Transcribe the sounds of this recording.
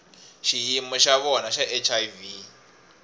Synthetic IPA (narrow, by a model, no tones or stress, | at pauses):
ʃijimɔʃaβɔnaʃaʔɛt͡ʃʰaivi